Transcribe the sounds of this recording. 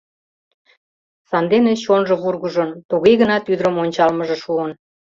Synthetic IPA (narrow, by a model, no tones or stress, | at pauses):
sɑnd̪enet͡ɕonʒɤ̆βurɣəʒə̆nt̪uɣejɣənɑt̪yd̪ɾəmonʲt͡ɕɑlməʒĕʃuən